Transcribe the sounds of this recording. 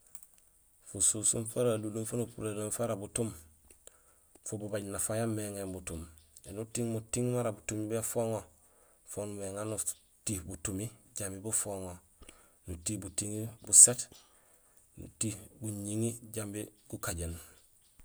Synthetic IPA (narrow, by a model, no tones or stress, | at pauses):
fususumfaɾadulunfanupuɾelonfaɾabutum | fububaɟnafajamːeŋembutumenutiŋmutiŋmaɾabutumibefoŋo | fonumeŋanu | tiːhbutumiɟambibufoŋo | nutihbutiŋibuset | nṵtihbuɲiŋiɟambiɡ̥ukaɟen